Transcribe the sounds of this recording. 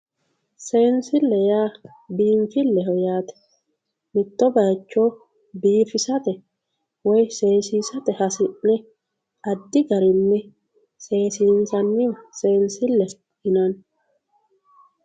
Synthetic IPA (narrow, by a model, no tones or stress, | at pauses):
se̞ːnsɪlːɛjaː | biːnfɪlːɛɦɔjaːt̪ɛ̥ | mɪt̪ːɔbɐjt͡ʃːo | biːfɪsɐt̪ɛ | wɔjse̞ːsiːsɐt̪ɛhɐsɪʔnɛ | ɐd̪ːɪɡɐɾɪnːɛ | se̞ːsiːnsɐnːɪɔse̞ːnsɪlːɛ | hɪnɐn